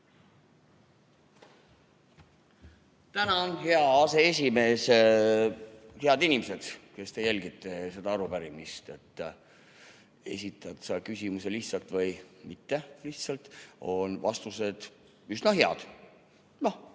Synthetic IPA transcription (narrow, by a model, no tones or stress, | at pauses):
t̪ænɑonɦe̞ɑɑse̞es̬ʲime̞ːs | he̞ɑd̪inimese̞d̪̥ke̞st̪e̞jælʲɡit̪ːˑese̞d̪ɑɑɾupæɾimist̪e̞t̪ː | e̞sʲit̪ːˑɑt̪sɑkysimuse̞liht̪sɑlt̪ˑvɤjmit̪ːe̞liht̪sɑlt̪o̞nvɑ̰st̪use̞d̪̥ | ysnɑɦe̞ɑ̰d̪̥ | no